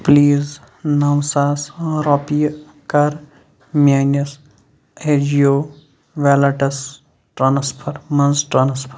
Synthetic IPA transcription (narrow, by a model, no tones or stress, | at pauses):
pliːz | nɐwsaːsɾoːpij | kɐɾ | mʲaːnɐs | ed͡ʒioː | ʋelɐʈɐs | ʈɾɐnɐspʰɐɾmɐnzʈɾɐnɐspʰɐɾ